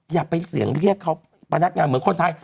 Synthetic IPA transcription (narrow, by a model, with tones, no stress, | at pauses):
jaː˨˩k̚pe˧nsi˨˩˦əŋɾi˥˩əkʰːa˦˥˩w | pa˧na˦˥t̪̚ŋaː˧nmɯ˩˦nkʰo˧nt̪ʰaː˧j